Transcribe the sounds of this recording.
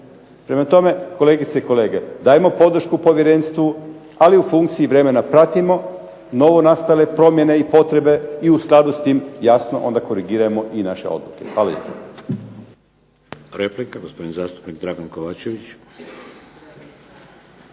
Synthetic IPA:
pɾe̞mat̪o̞me̞ko̞le̞ːɡit̪seiko̞le̞ːɡe̞d̪aːjemo̞po̞d̪r̩ʃkupo̞ʋjeɾe̞nst̪ʋu | aliufuŋk̚t̪siiʋɾe̞me̞napɾat̪imo̞ | no̞ʋo̞nast̪ale̞pɾo̞mje̞ne̞ipo̞t̪ɾe̞be̞iusklˠad̪ust̪iːmjasno̞̰ʔo̞̰nd̪ako̞ɾiɡiɾajemo̞ʔinaʃe̞̰o̞̰d̪lˠuke̞xʋaːlajḛpa | ɾeplikaɡospod̪inizaːst̪u̥pnikd̪ɾaɡankoʋaːt͡ʃeʋit͡ʃ

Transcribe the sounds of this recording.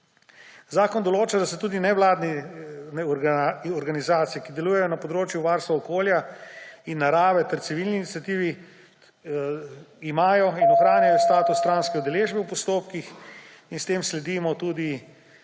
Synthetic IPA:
zaːkɔnd̪ɔloːt͡ʃad̪asɛt̪uːd̪inɛʋlaːd̪nɛnɛɔɾɡanizaːt̪sijɛkid̪ɛluːjɛjɔnapɔd̪ɾoːt͡ʃjuʋaːɾst̪ʋaɔkoːljainːaɾaːʋɛt̪ɛɾt̪siʋilniiːnit̪sjat̪iːʋi | imaːjɔinɔxɾaːnjajɔst̪aːt̪ust̪ɾaːnskɛud̪ɛleːʒbɛwpɔst̪oːpkix | inst̪eːmslɛd̪imɔt̪uːd̪i

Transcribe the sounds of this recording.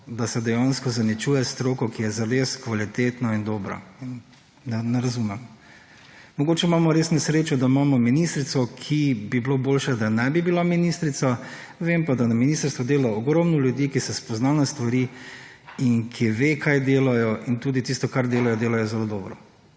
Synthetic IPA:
d̪asɛd̪ɛjanskɔzanit͡ʃuːjɛst̪ɾoːkɔkijɛzaɾeskʋalit̪eːt̪nɔind̪oːbɾɔ̰in | nɛnɛɾɐzumɛm | mɔɡoːt͡ʃɛimaːmɔɾeːsnɛsɾeːt͡ʃud̪aimaːmɔminist̪ɾit̪sɔkʰibibloboːlʃɛd̪anɛbibilaminist̪ɾit̪sa | ʋempad̪anaminiːst̪əɾst̪ʋɔd̪eːlaɔɡɾɔmnɔljud̪iːkisɛspɔznaːnɛst̪ʋaɾi | inkʰiʋekʰajd̪eːlajɔʔint̪uːd̪it̪ist̪ɔkaɾd̪eːlajɔd̪eːlajɔzɛlod̪ɔːbɾɔ

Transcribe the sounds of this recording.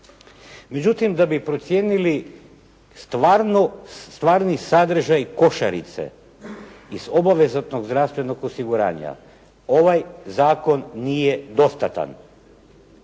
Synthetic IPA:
me̞d͡ʑut̪imd̪abipɾo̞t̪sje̞ːnili | st̪ʋaɾnost̪ʋaːɾnisad̪r̩ʒajko̞ʃa̰ɾḭt̪sḛ | izo̞baʋe̞zat̪noɡzd̪ɾast̪ʋe̞no̞ɡosiɡuɾa̰ːɲa̰ | o̞ʋajzaːko̞nːijed̪o̞st̪at̪a̰n

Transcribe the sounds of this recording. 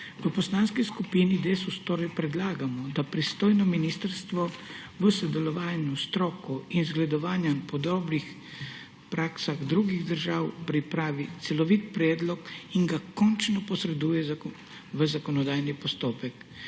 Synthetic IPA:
ʋəpɔslaːnskiskupinid̪esust̪oːɾɛjpɾɛd̪laːɡamɔd̪apɾist̪oːjnɔminiːst̪əɾst̪ʋɔ | ʋəsɔd̪ɛlɔʋaːnust̪ɾɔːkuinzɡlɛd̪ɔʋaːnjampɔd̪ɔːbɾix | pɾaːksaɣd̪ɾuːɡiɣd̪əɾʒaːwpɾipɾaːʋit̪sɛlɔʋiːt̪̚pɾɛːd̪lɔkinɡakɔnt͡ʃnɔpɔsɾɛd̪uːjɛz | ʋəzakɔnɔd̪aːjnipɔst̪oːpɛk

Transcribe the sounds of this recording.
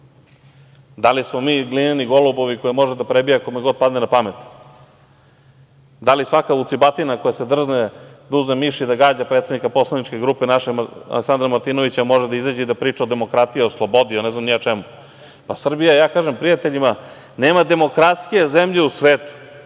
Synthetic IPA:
d̪alismo̞miːɡlineniɡo̞lubo̞ʋikojimo̞ʒed̪apɾebijaakomeɡod̪̚pad̪nenapamet̪ | d̪alisʋakaut̪sibat̪inakojase̞d̪r̩ʒned̪auznemiʃid̪aɡaːd͡ʑapɾet̪sed̪nikapo̞slˠanit͡ʃke̞ɡɾuːpenaʃea̰leksand̪ɾamaɾt̪inoʋit͡ɕamo̞ʒed̪aizad͡ʑeid̪apɾiːt͡ʂaod̪e̞mo̞kɾat̪ijioslˠobod̪ionɛznamnijat͡ʃɛmu | pasr̩bijajaːkaːʒempɾijat̪eʎima | neːmad̪e̞mo̞kɾat̪skijezemʎe̞usʋeːt̪u̥

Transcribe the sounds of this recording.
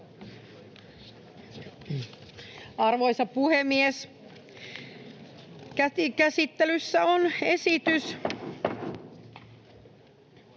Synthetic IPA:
ɑrʋo̞jsɑpuhemːies | kæikæsit̪ːelysːæonesit̪ys

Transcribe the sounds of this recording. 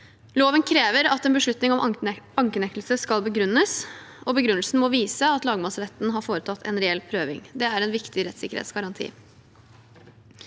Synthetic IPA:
loːʋənkʰɾeːʋəɾɑt̪ɛnbəʂɭʉt̪nɪŋɔmɑŋkənɛk̪lsəskɑlˠbəɡɾʉnːəsɔbəɡɾʉnəl̩sn̩mɔʋiːsəɑt̪lɑːɡəmɑsəɾɛt̪nɦɑɾfoːɾət̪ʰɑt̪ʰːɛ̰nɾɛɛlpʰɾøːʋɪ̰ŋd̪ɛæɾɛnʋɪkt̪ɪɾɛt̪sɪkəɾhḛt̪sɡɑɾɑnt̪ʰḭː

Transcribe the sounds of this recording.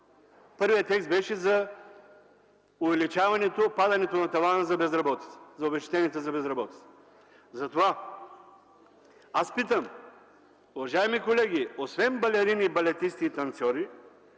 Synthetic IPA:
pɤɾvijət̪ɛkst̪̚bɛʃɛzɐ | ʊvɛlit͡ʃavɐnɛt̪opad̪ɐnɛt̪onɐt̪ɐvanəzɐbɛzɾɐbɔt̪i̥t̪sə̥zɐoʊbɛʃt̪i̥t̪ɛniɛt̪zɐbɛzɾɐbɔt̪i̥t̪ | zɐt̪ova | aspit̪əm | ʊvɐʒaimikolɛɡ̟ʲiosvɛnbɐlɛɾinibɐlɛt̪ist̪iːt̪ɐnt̪sʲɔɾi

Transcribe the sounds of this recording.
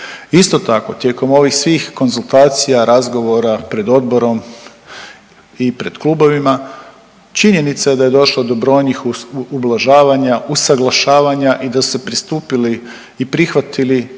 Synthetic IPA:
ist̪o̞t̪ako̞t̪je̞ːko̞mo̞ʋixsʋiːxko̞nzulˠt̪aːt̪sijaɾazɡo̞ʋo̞ɾapɾe̞d̪o̞d̪bo̞ɾo̞m | ipɾe̞d̪klubo̞ʋima | t͡ʃiɲe̞nit̪saje̞d̪aje̞d̪o̞ʃlˠad̪o̞bɾo̞ːjnixublˠaʒaːʋaɲaʔusaɡlˠaʃaːʋaɲaʔid̪asu̥sepɾist̪uːpiliː | pɾixʋat̪ili

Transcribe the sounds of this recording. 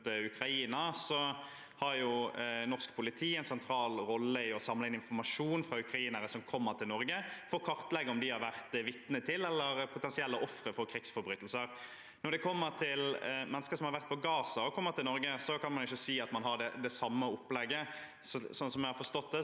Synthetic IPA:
ʉkɾɑiːnɑsɔ | hɑɾjʊnɔʁskpʰʊlɪt̪ʰiːɛɪnsɛnt̪ʰɾɑːlɾɔlːəɪɔsɑmlɪnɪnfɔɾmɑʂuːnfɾɑʉkɾɑiːnəɾəsɔmkʰɔmːəɾt̪ʰɪlnɔɾɡəfɔɾkʰɑɾt̪lɛɡəɔmd̪ɪhɑɾʋæʁt̪ʋɪt̪nət̪ʰɪlɛlːəɾpʰʊt̪ɛnsɪɛlːəʔɔfɾəfɔɾkʰɾɪksfɔɾbɾyːt̪lsəɾ | nɔɾdɖ̪ɛkʰɔmːəɾt̪ʰɪlmɛnəskəɾsɔmhɑɾʋæʁt̪̚pʰɔɡɑːsɑɔkʰɔmːəɾt̪ʰɪlnɔɾɡəsɔkɑnmɑnʊɪçːəsiːɑt̪mɑnɦɑɖɛd̪ɛsɑmːəʊpːlɛɡːə | sɔsɔnsɔmɛhɑɾfɔʂt̪ɔt̪̚d̪ɛ

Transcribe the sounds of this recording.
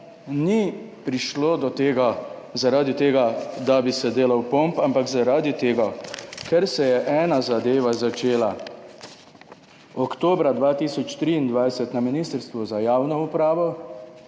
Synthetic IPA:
nipɾiʃloːd̪ɔt̪eːɡazaɾaːd̪it̪eːɡad̪abisɛd̪eːlawpompampaɡzaɾaːd̪it̪eːɡakɛɾsɛjɛʔɛːnazad̪eːʋazat͡ʃeːla | ɔkt̪oːbɾad̪ʋaːt̪iːsɔt͡ʃt̪ɾiind̪ʋajsɛt̪naminist̪əɾst̪ʋɔzajaːwnɔupɾaːʋɔ

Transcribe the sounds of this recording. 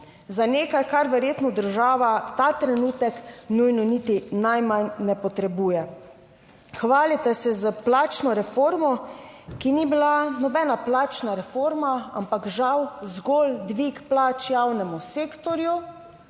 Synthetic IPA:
zaneːkajkaɾʋɛɾjeːt̪nɔd̪əɾʒaːʋat̪at̪ɾɛnuːt̪ɛknujnɔnit̪inajmanːɛpɔt̪ɾɛbuːjɛ | xʋaːlit̪ɛsɛzəplaːt͡ʃnɔɾɛfoːɾmɔkinibilanɔbɛːnaplaːt͡ʃnaɾɛfoːɾmaa̰mpakʒawzɡold̪ʋikplaːt͡ʃjawnɛmuseːkt̪ɔɾju

